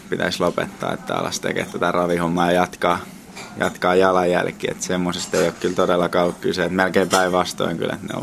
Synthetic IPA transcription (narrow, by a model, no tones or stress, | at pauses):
pit̪æslopḛt̪ːɑ̰ːḛt̪ːæɑ̰lːɑ̰st̪ḛkḛːt̪t̪ːæt̪ærɑʋihomˑːɑːjɑjɑt̪kɑː | jɑ̰t̪kɑːjɑlɑjjæ̰lkiḛt̪semːosest̪eiokkylt̪odelːɑkɑːolukkyseet̪melkeimpæiʋʋɑst̪o̰iŋky̰lḛt̪nḛo̰l